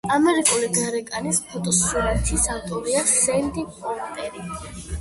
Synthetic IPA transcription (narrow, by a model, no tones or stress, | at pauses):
amɛɾikʼuliɡaɾɛkʼanispʰɔt̪ʼɔsuɛnt̪ʰisavt̪ʼɔɾiasɛnd̪ipʼɔlpʼɛɾi